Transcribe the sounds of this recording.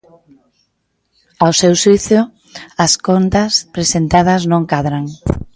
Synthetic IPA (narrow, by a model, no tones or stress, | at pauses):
awsewsiθo | ɐskont̪ɐspɾesent̪að̞ɐznõŋkaðɾaŋ